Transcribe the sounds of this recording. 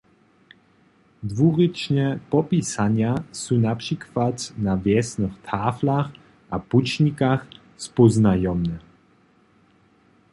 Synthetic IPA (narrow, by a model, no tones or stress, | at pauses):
d̪vuʁit͡ʃɲɛpɔpisaɲjasunapʂikvat̪navjɛsnəxt̪ʰaːflax | ʔaput͡ʃɲikax | spɔznajɔmnɛ